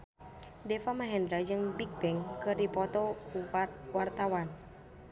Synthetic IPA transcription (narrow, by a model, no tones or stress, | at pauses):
dɛfamaɦɛndɾad͡ʒɨŋbik̚bɛŋkɨrdipɔt̪ɔ | wart̪awan